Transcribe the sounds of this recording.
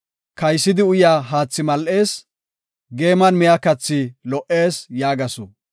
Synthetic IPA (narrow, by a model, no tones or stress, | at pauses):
kɐjsːɪd̪ɪʊjaːɦaːt͡sːɪmɐlʔe̞ːs | ɡe̞ːmɐnmɪjakɐt͡sːɪlɔʔe̞ːsjaːɡɐsʊ̰